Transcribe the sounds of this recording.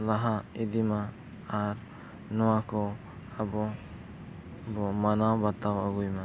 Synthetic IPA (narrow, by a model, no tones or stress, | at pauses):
laɦaid̪imaː | ɾ | nɔwakɔ | abɔ | bɔmanawbat̪awaɡujma